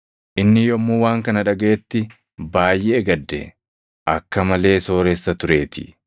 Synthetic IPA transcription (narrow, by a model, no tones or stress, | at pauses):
ʔɪnːɪjɔmːuːwaːŋkɐnɐᶑɐɡɐeːt̪ːɪ | baːjːɛːɡɐd̪ːɛ̰ | ʔɐkːɐmɐle̞ːso̞ːɾeːsːɐt̪ʊɾe̞ːt̪ɪ̥̰